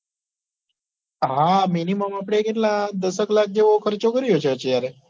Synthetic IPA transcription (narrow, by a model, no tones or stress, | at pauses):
ɦaminiməmapɽ̃ekeʈlãd̪əsəklak̚ʰd͡ʒeʋokʰəɾt͡ʃokəɾiot͡ʃʰeət͡ʃʰejaɾe